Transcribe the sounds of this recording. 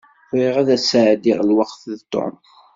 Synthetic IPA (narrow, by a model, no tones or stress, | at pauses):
ɾiʁæðæsʕd̪iʁlwɑqθðt̪ːo̰m